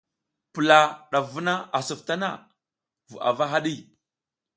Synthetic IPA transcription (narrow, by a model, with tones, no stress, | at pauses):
pə˨la˨ɗa˨vu˦na˦a˨su˨fta˦na̰˦˨ | vṵ˨a̰˨va˦ɦa˦ɗi˦